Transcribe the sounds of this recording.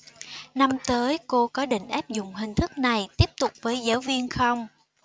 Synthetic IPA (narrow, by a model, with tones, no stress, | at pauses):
na˧mt̪əː˨˦jko˧kɔ˨˦ɗḭ̈˧˨ŋ̟ʔaː˦˥p̚zʊ˨ŋ͡mɦï˨˩ŋ̟t̪ʰɨ˦˥k̚na˨˩jt̪i˦˥əp̚t̪ʊ˨˩k͡p̚vəː˨˦jzaː˨˦wvi˧ənxə˧wŋ͡m